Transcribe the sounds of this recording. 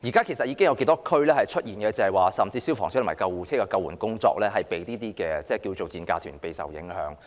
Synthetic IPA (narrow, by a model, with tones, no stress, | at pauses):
jiː˨˩kaː˥kʰe˨˩sɐ˨t̚jiː˨˧kɪ˥ŋjɐ˨˧ke˧jt̪ɔː˥kʰɵ˥ɥlɛː˥hɐ˨jt͡ʃʰɵ˥t̚jiː˨nkɛː˧t͡sɐ˨˩hɐ˨jwaː˨sɐ˨˩mt͡siː˧si˥wfɔː˨˩ŋst̪ʰmaː˨˩kɐ˧wuː˨˩t͡sʰɛː˥kɛː˧kɐ˧wːuː˨˩nkʊ˥ŋt͡sɔ̰ː˧k̚lɛː˥ɦɐ˨jpe˨˧jliː˥t̪iː˥kɛː˧t͡sɛː˥˩ki˧wt͡so˨wt͡siː˨˧nka̰ː˧t̪ʰyː˨˩npe˨jsɐ̰˨˩wjɪ̰˨˥ŋhœ̰ː˨˥ŋ